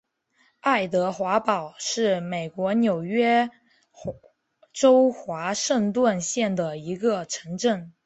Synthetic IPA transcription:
a˥˩ɪt̪̬ɤ˧˥xwa˧˥pɑ˨˩ʊʂɻ̩˥˩me˨˩ɪkwɔ˧˥njo˨˩ʊɥɛ˥ | ʈ͡ʂo˥ʊxwa˧˥ʂə˥˧ŋt̪wa˥˧nɕjɛ˥˩nd̪ə˩i˧˥ɡə˧ʈ͡ʂʰɤ˧˥ŋʈ͡ʂə˥˩ŋ

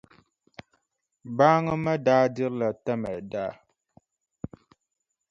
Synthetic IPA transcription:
baː˦ŋə˦mɛ˦daː˦di˦ɾla˨tɛ˦mɛ˨daː˦

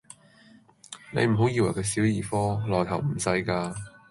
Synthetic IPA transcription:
nḛ˨˧jm̩˨˩ɦo˨˥wjiː˧wɐ˨˩jkɛ˧si˨˥wjiː˨˩fɔː˥lɔː˨˩jk̪ʰɐ˨˩wm̩˨˩sɐ˧jkaː˧

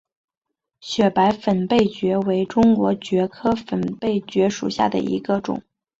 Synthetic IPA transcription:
ɕɥɛ˨˩pa˧˥ɪfə˨˩npe˥˩ɪt͡ɕɥɛ˧˥we˧˥ɪʈ͡ʂʊ˥ŋkwɔ˧˥t͡ɕɥɛ˧˥kʰɤ˥fə˨˩npe˥˩ɪt͡ɕɥɛ˧˥ʂṵ˨˩ɕja̰˥˩d̪ə̰˩ʔḭ˧˥ɡə˧ʈ͡ʂʊ̰˨˩˦ŋ

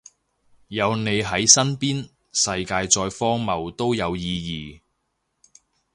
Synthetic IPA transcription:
jɐ˨˧wne˨˧jɦɐ˨˥jsɐ˥npiː˥n | sɐ˧jkaː˧jt͡ʃɔː˧jfɔː˥ŋmɐ˨wt̪o˥wjɐ˨˧wjiː˧jiː˨˧

